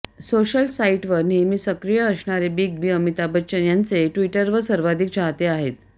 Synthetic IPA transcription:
soɕəlsaiʈʋəɾnimiːsəkɾijəəsɳaɾebiːk̚bʱiːəmit̪abət͡ɕənjant͡seʈʋiʈəɾʋəsəɾʋad̪ʱik̚t͡ɕaɦt̪eaɦet̪

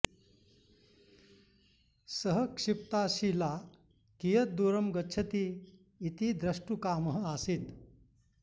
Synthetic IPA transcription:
səɦəkʂip̚t̪aɕila | kijət̪̚d̪uɾəmɡəːɕʰət̪iː | t̪iːd̪ɾəʂʈukaməɦəasiːt̪

